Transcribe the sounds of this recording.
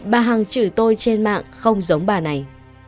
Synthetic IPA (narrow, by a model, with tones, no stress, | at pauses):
ɓaː˨˩ɦa˨˩ŋt͡ɕɨ̰˧˩t̪o˧jt͡ɕe˧nma̰ː˧˨ŋxə˧wŋ͡mzə˨˦wŋ͡mɓaː˨˩na˨˩j